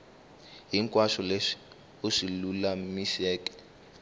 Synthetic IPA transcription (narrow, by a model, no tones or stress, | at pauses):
ɦiŋkʼwaʃɔle̥ | oʂilulamiʃɛːkɛ̥